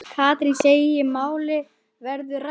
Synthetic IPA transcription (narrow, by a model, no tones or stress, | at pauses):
kʰaːt̪ɾinseːjɪmaːwlɪ | vɛɾðʏr